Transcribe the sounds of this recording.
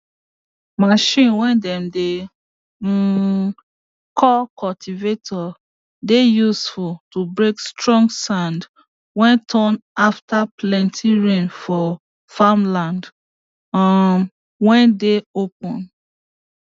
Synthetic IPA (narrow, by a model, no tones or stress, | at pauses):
maʃĩnwɛ̃ndɛ̃mde | kʰɔkʰɔltʰivetʰɔ | dejusfultubɹekstɹɔ̃ŋɡsãnd | wɛ̃ntʰɔ̃naftaplɛ̃ntʰiɹẽnfɔ | famlãnd | a | wɛ̃ndeop̚ɔ̃n